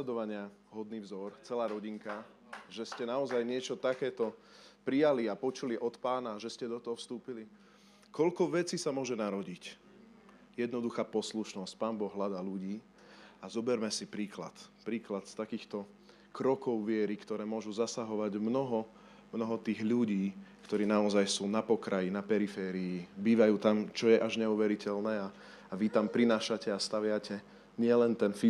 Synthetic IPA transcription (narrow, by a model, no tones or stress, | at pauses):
ɛd̪ɔʋaɲɪa | ɦɔd̪niːvzɔɾt͡sɛlaːɾɔɟiŋka | ʒɛscɛnaɔzajɲɪɛt͡ʃɔt̪akɛːt̪ɔ | pɾijaliapɔt͡ʃuliʔɔt̪paːnaʒɛscɛd̪ɔt̪ɔɦɔfst̪uːpili | kɔʎkɔʋɛt͡siːsamʊɔʒɛnaɾɔɟic | jɛd̪nɔd̪uxaːpɔsluʃnɔsc̚paːmbɔɣɦlad̪aːluɟiː | azɔbɛɾmɛsipɾiːkla̰t̪pɾiːklat̪st̪akiːxt̪ɔ | kɾɔkɔʊʋɪɛɾikt̪ɔɾɛːmʊɔʒuzasaɦɔʋaɟmnɔɦɔ | mnɔɦɔt̪iːɣʎuɟiːkt̪ɔɾiːnaɔzajsuːnapɔkɾajinapɛɾifɛːɾiibiːʋajuːt̪amt͡ʃɔjɛʔaʒɲɛuʋɛɾicɛlnɛːaː | ʋit̪ampɾinaːʃacɛast̪aʋɪacɛ | ɲɪɛlɛnt̪ɛnfi